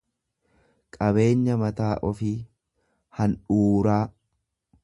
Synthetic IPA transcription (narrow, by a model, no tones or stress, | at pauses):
kʼɐβe̞ːɲːɐmɐt̪aːʔɔfiː | hɐnᶑuːɾaː